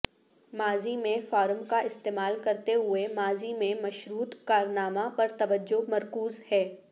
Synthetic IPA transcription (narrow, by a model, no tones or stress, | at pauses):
maːzimẽfaːɾəmkaʔɪst̪eːmaːlkɐɾt̪eɦʊemaːzimẽmɐʃɾuːt̪kaːɾnaːmapɐɾt̪ɐʋəd͡ʒːomɐɾkuːzhɛː